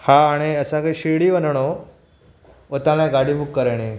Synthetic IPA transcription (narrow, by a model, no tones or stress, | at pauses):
haːɽ̃iəsãkaiɕiɽiʋənɳ̃o | ot̪alãɡaɽimukːəɾaɽ̃i